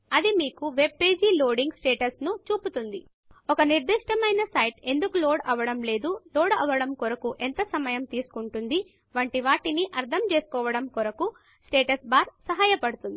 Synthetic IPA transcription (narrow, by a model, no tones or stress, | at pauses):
ɐd̪imiːkuʋe̞b̚pe̞ːd͡ʒiːloːɖiŋɡsʈeːʈɐsnut͡ʃuːput̪und̪i | ɔkɐniɾd̪iʂʈɐmɐjnɐsɐjʈe̞nd̪ukuloːɽɐʋɐɽɐmle̞ːd̪uloːɽɐ̰ʋɐɽɐmkɔɾɐkuʔent̪ɐsɐmɐjɐmt̪iːsu̥kuɳʈund̪i | ʋɐɳʈiʋaːʈiniʔɐɾt̪ʰɐmt͡ʃe̞ːsu̥kɔːʋɐɽɐmkɔɾɐku | sʈeːʈɐsbaːɾsɐɦaːjɐpɐɽut̪und̪i